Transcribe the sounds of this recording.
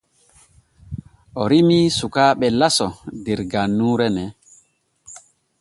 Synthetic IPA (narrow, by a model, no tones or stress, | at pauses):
ʔɔɾimisukaːɓɛlasɔdɛɾɡanːuːɾɛnɛ